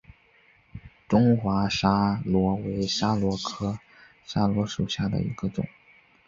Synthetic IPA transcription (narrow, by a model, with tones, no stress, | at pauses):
ʈ͡ʂʊ˥ŋxwa˧˥ʂa˥lwɔ˧˥we˧˥ɪʂa˥lwɔ˧˥kʰɤ˥ | ʂa˥lwɔ˧˥ʂu˨˩ɕja˥˩d̪ə̰˩ḭ˧˥ɡ̥ə˧t͡sʊ̰˨˩˦ŋ